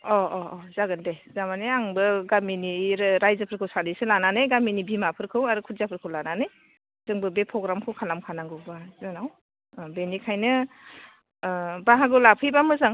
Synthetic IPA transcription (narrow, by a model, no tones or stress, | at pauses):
ɔɔɔzaɡɯndejzamaneaŋbɯɡaminiɾɯɾajzɯpʰɯɾkʰɯwsanisɯlananɯjɡaminibimapʰɯɾkʰɯwaɾɯkʰutzapʰɯɾkʰɯwlananɯj | zɯŋbɯbepʰɾɔɡɾamkʰɯwkʰalamkʰanaŋɡɯwbazɯnaw | benikʰajnɯ | baɦaɡɯlapʰɯjbamɯzaŋ